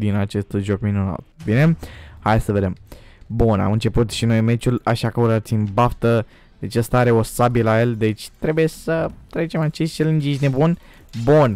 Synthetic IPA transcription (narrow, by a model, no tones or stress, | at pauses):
d̪inat͡ʃe̞st̪ʒo̞kminuna̰t̪̚bine̞hajsəve̞d̪e̞mbuna̰mɨnt͡ʃe̞put̪ʃino̞jme̞t͡ʃulaʃakəuɾət̪simbaft̪ə | d̪̥et͡ʃʲəst̪aaɾe̞o̞sabilaje̞lʲd̪e̞t͡ʃʲt̪ɾe̞buje̞sət̪ɾe̞t͡ʃe̞mat͡ʃest͡ʃelɨnd͡ʒiʃne̞bun | bun